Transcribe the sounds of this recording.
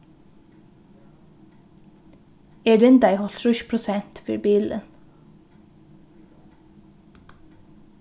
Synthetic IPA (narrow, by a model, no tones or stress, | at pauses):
eːɖ̪ɪnd̪æɪhɔlt̪ʃʉʃpʰɹʊsɛnt̪fø̰ɾbiːlə̰n